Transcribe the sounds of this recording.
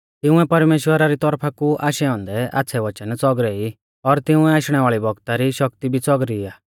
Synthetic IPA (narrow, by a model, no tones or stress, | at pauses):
t̪ɪ̃ʊ̃ɛpɐɾmeːʃwəɾaɾit̪ɔɾpʰakuʔaːʃɛɔ̃ːnd̪ɛʔa̰ːt͡sʰɛʋɐt͡ʃənt͡sɔɡɾɛi | ɔɾt̪ɪũɛaːʃɽ̃ɛʋaːɭibɔɡt̪aɾiʃɔk̚t̪ibʱit͡sɔɡɾiaː